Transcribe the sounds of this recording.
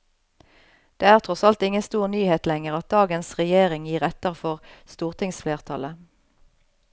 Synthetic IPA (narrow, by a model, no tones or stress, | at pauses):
d̪̥eːæːʁt̪ʰʁɔsɑlt̪ɪŋənst̪uːʁnyːheːt̪lɛŋəʁɑt̪̚d̪ɑːɡənsʁɛjeːʁɪŋjiːʁɛt̪əʁfɔʁst̪uːʁt̪ʰɪŋsfleːʁt̪ʰɑlə